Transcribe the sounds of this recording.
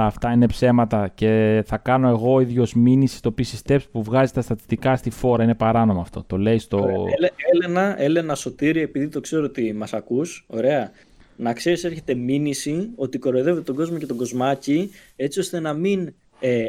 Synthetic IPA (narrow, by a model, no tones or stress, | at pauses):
ft̪ɐine̞pse̞mɐt̪ɐce̞θɐkɐno̞e̞ɣo̞iðʝo̞zminisi̥st̪opisist̪e̞psi̥puvɣɐzet̪ɐst̪ɐt̪i̥st̪ikɐst̪ifo̞ɾɐine̞pɐɾɐno̞moɐːft̪o̞̰t̪o̞le̞ist̪oelenɐe̞le̞nɐso̞t̪iɾie̞piðit̪o̞kse̞ɾoot̪imɐsɐkuso̞̰ɾe̞ɐ | nɐkse̞ɾise̞ɾçe̞t̪e̞minisio̞t̪iko̞ɾoiðe̞vet̪et̪oɡo̞zmo̞ce̞t̪o̞ɡo̞zmɐci | e̞t͡sio̞st̪e̞nɐmin | e